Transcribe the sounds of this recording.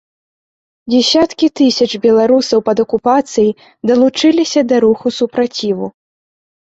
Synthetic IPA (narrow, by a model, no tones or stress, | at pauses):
d͡zʲɛsʲat̪kʲit̪ɨsʲɐt͡ʂbʲɛlˠaɾusɐwpɐd̪ɐkupat̪sɨji | d̪ɐlˠut͡ʂɨlʲisʲɐd̪ɐɾuxusupɾat͡sʲivu